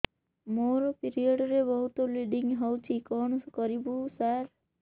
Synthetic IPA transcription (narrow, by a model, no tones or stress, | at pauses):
moɾɔpiɾiɔɖɾebɔɦut̪oliɖiŋɡɦɔwt͡ʃʰikɔɳskɔɾibusaɾ